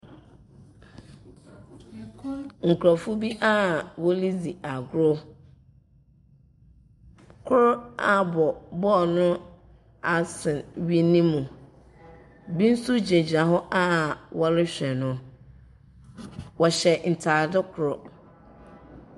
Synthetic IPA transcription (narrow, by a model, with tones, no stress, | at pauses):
ŋ̩˨kʰɾɔ˨fʊ˦bi˦ʔa˦wɔ˦li˦d͡zi˨a˨ɡʊ˦ɾʊ˦ | kʰʊ˦ɾa˨bɔ˨bɔ˦˨nʊ̃˦ | a˨sɪ̃˨nɥi˦nĩ˦mũ˨ | bi˦n̩˦su˦d͡ʑe˨d͡ʑa˨ɦɔ˦ʔa˦wɔ˦lɪ˦ɕᶣɛ˨nʊ̃˦ | wɔ˨ɕɛ˨n̩˨tʰaː˨dɪ˦kʰʊ˨ɾʊ˨